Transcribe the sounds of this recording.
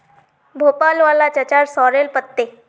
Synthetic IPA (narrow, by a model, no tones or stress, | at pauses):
bʱopalʋalat͡ɕət͡ɕaɾsɔɾelpət̪ːe